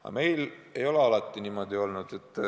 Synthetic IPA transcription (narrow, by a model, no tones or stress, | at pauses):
ɑ̰me̞jle̞jo̞le̞ɑlɑt̪ːˑiniːmo̞d̪̥io̞lnud̪̥e̞t̪ːˑ